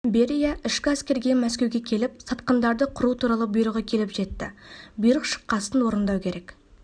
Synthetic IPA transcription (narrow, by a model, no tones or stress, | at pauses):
be̞ɾijaʔɪʃkʲɪæskʲe̞ɾɡʲe̞mæs̬kʲe̞wɡʲekʲʰe̞lɪp̚sɑt̪qənd̪ɑɾd̪əqʰʊɾut̪ʰuɾɑlˠəbijɾəʁəkʲʰe̞lɪpʒe̞t̪ːɪ̰bijɾəqʃə̥qːɑsənwo̞ɾənd̪ɑwkʲʰe̞ɾe̞k